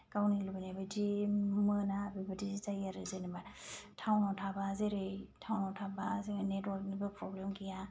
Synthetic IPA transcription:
kawnilɯbanabadimɯnaːbibadizizajaɾɯzenimatʰawnɔtʰabazeɾɯjtʰawnɔtʰabazenedɔtnibɯpʰɾɔblemkija

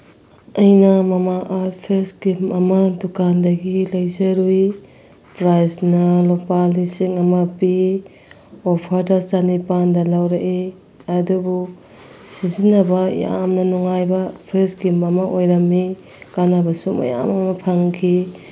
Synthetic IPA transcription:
ɐjnɐmɐmaʔaɾpʰɾesɡimɐmɐdukandɐɡilɐjzɐɾuj | pɾajsnɐlopalisiŋɐmɐpi | opʰɐɾdɐsanipandɐlawɾaʔe | ɐdubu | sizinɐbɐja̰mnɐnuŋajbɐpʰɾesɡimɐmɐʔojɾɐmːi | kanabɐsumɐ̰ja̰mɐmɐpʰaŋkʰi

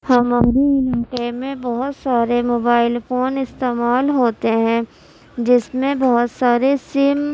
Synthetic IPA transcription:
hɐmaɾiɪlːkemẽbɔɦʊt̪saːɾemoːbaːɪlfoːnɪst̪eːmaːlɦoːt̪eɦɛ̃ː | d͡ʒɪsmẽbɔɦʊt̪saːɾesɪm

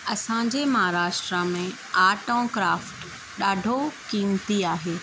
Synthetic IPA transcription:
ɐsãɲd͡ʑemɐɦaːɾaːʃʈɾəmẽ | aːʈõːkɾaːfʈ | ɗaːɖʱokĩːmt̪iaːɦeː

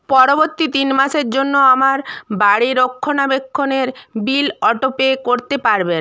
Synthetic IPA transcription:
pɔɾoboɾt̪it̪inmaʃeɾd͡ʑonːoamaɾbaɽiɾokʰːonabekʰːoneɾbilɔʈopekoɾt̪epaɾben

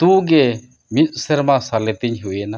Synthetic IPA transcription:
t̪ũɡɛ | mit̪̚ˀsɛɾmasalɛt̪iɲɦuɛna

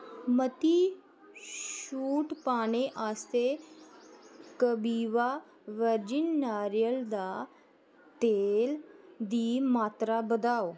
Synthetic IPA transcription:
mət̪i | ʃuːʈpaːɽ̃eʔaːst̪e | kəbiːʋa | ʋəɾd͡ʒinːaːɾjəld̪a | t̪eld̪iːmaːt̪ɾabəd̪aːo

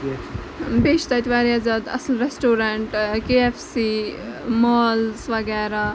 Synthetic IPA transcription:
beːʃt̪at̪ʋaːɾiazaːd̪ɐ̰slɾesʈoːɾaɳʈkeefsimɔːlsʋɐɡɛːɾa

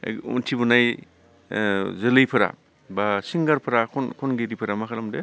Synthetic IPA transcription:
ṵntʰibunaj | zɯlɯjpʰɯɾa̰ | basiŋɡaɾpʰɐɾakʰɔnkʰɔnɡeɾipʰɯɾamakʰaɾamdḛ

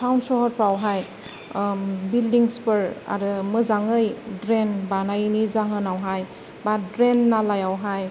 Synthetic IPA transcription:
sʰawnsɔɦɔtpawɦaj | bildiŋspɯɹa̰ɾɯmɯzaŋɯjdɾenbanajnizaɦɯnawɦaj | badɾenːalajawɦaj

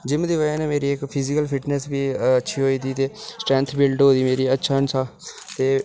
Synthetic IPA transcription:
d͡ʒɪmd̪iːʋəaːnẽːmeːɾiːɪkpʰɪzɪkəlpʰɪʈnɛːsbiːətːʃʰiːɦoːiːd̪iːt̪eːsʈɾɛ̃ːnt̪ʰbɪlʈɦoːd̪iːmeːɾiːətːʃʰaːənsʰaː | t̪eː

